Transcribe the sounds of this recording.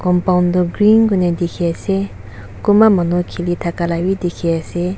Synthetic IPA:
kɔmpawndɔɡɾinɡunedikʰease | kumamanukʰilitʰakalawidikʰease

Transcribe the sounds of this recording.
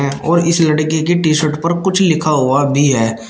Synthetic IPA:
ɛ̃ɔːɾɪslɐɽkek̬eʈiːʃoːʈpɐɾkʊt͡ʃʰlɪkʰaɦuabʱiɦɛː

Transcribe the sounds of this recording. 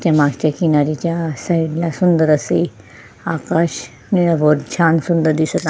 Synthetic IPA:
t̪jamaɡt͡ɕjakinaɾit͡ɕjasaiɽlasund̪əɾəse | akaɕ | ñiʋoɾt͡ɕʰansund̪əɾd̪isət̪

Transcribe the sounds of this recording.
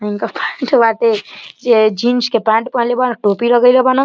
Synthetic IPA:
iŋkapɛɳʈbat̪ed͡ʒed͡ʒinskepãɳʈpə̃ɦlebanəʈopiɾəɡəɪlebana

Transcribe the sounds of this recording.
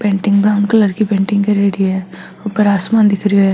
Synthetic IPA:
pẽːɳʈɪ̃ŋɡbɾaːʊnkɐləɾkipẽːɳʈɪ̃ŋɡkeɾeːɾiɛ | ʊpəɾaːsmaːnd̪ɪkʰɾioɦɛː

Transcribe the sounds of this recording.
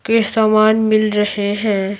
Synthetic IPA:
kesaːmaːnmɪlɾɐheɦɛ̃ː

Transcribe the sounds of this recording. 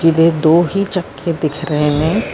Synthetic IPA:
d͡ʒɪd̪ed̪oːɦit͡ʃəkʰːed̪ɪkʰɾəɦeɦɛ̃

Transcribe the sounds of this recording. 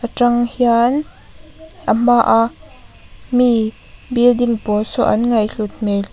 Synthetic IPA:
ʔəʈ͡ʂɐŋhjan | ʔəmaʔa | mi | bildɪŋpɔsɔʔɐnŋɐjɬut̪̚mel

